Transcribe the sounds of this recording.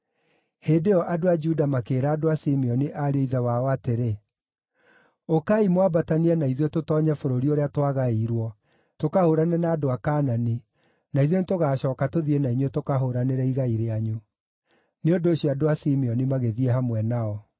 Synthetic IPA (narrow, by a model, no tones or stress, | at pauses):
heːdeɔʔadoad͡ʒudamakeːɾaːdoasimiɔniʔaɾeoiðawaɔateɾe | okaimwabataniɛnaiðjototɔːɲɛfoɾoɾioɾeatwaɣaiɾwɔ | tokahoɾanɛnaːdoakaːnani | naiðjonetoɣaːɕɔːkatoðienaiɲɔtokaɦoɾaneɾɛiɣaiɾeaɲu | neondooɕiɔadoasimiɔnimaɣeðiɛɦamwɛnaɔ